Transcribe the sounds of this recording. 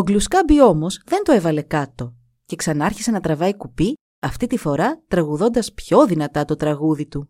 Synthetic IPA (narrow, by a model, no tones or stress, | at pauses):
oɡluskɐbio̞mo̞zðe̞nt̪oe̞vɐle̞kɐt̪o̞ | ce̞ksɐnɐɐɾçise̞nɐt̪ɾɐvɐikupi | ɐft̪it̪ifo̞ɾɐt̪ɾɐɣuðo̞nd̪ɐspço̞ðinɐt̪ɐt̪o̞t̪ɾɐɣuðit̪u